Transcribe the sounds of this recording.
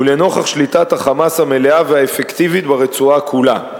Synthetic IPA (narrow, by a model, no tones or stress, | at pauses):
uleno̞χaχʃlit̪at̪haχamashame̞leaveaefekt̪ivit̪baʁet͡suakʰula